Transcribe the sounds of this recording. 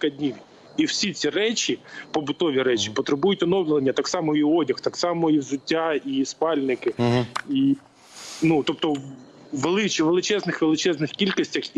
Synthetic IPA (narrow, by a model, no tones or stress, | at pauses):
kɐdʲnʲiʋʲ | iwsʲit͡sʲirɛt͡ʃʲipɔbʊt̪ɔʋʲiɾɛt͡ʃʲi̥pɔt̪ɾɪbujʊtʲɔnɔwlʲɪlɐnʲːɐt̪ɑksɑmɔiɔdʲɐxt̪ɑksɑmɔiwzʊtʲːaispɑlʲnɪkɪi | nut̪ɔp̚t̪ɔ | ʋelˠɪt͡ʃiʋelˠɪt͡ʃɛznɪxʋelˠɪt͡ʃɛznɪxkʲilʲkɔsʲtʲɐx